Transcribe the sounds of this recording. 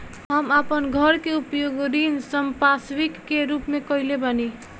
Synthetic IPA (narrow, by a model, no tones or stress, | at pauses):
ɦəmapənɡʱəɾkeupjoɡɾinsəmpaswikːeɾupmekəilebəni